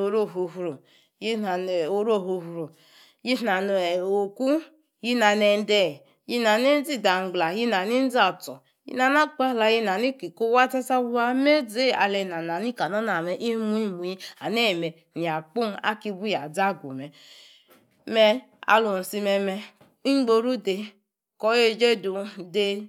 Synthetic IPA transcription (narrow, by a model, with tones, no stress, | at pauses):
o˨ɾo˦˨ɦo˨ɦu˨ɾo˨ | ji˦na˨n˨o˨˦ɾo˦˨ɦo˨˧hu˨ɾo˨ | ji˦na˨n˨o˨ku˦ | ji˦na˨ne˧n˦dɛ˦˨ | ji˦na˨ne˦n̩˦d͡zi˦˨da˨ŋ̩˨ɡ͡bla˨ji˦na˨ni˦n̩˦d͡zi˦a˨tɔ˨ | jḭ˦na˨na˦k͡pa˦˨la˧ji˧na˨ni˦kʷi˨ko˦wa˦tɛ˦sa˦bu˦wa˧me˦d͡ze˦˨a̰˧lɛ˧˨na˨na˨ni˦ka˨nɔ˦na˨mɛ˨ʔi˦mu˦i˦mu˨ji˦a̰˨nɛ˦˨mɛ˨ | ni˨a˨k͡pu˦n˦a̰˦ki˧bu˦ja˨d͡za˦˨ɡʷo̰˨mɛ˨ | mɛ˧ | a̰˧lu˨n̩˨si˧mɛ˧mɛ˧˦ | ŋ͡mɡ͡bo˧ɾu˦de˧ | kɔ˦je˧d͡ʒe˦du˧de˧